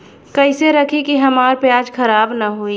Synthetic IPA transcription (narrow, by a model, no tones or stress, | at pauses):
kɐɪseɾɐkʰikiɦɐmaːɾpjaːd͡ʒxɐɾaːbnaɦoi